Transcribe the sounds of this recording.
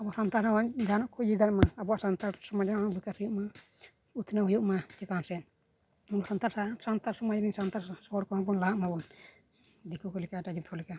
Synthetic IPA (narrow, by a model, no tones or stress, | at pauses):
abɔasant̪aɾaad͡ʒanɔʔkʰɔd͡ʒid̪anmaːbɔasant̪aɾsɔmad͡ʒanabikashujuʔma | ut̪ʰnaɦujuʔmat͡ʃɛk̪ansɛn | abɔʔsant̪aɾasant̪aɾsɔmad͡ʒaninsant̪aɾsɔɔɾkɔmabɔnlaɦaʔmabɔn | dikukɔlɛkadad͡ʒit̪kɔlɛka